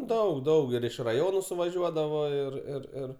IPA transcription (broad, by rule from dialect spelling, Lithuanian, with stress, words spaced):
ˈdɐʊk ˈdɐʊk ɪr ɪʃ rɐˈjoːnʊ sʊʋɐˈʒʲuɔdɐʋoː ɪr ɪr ˈɪr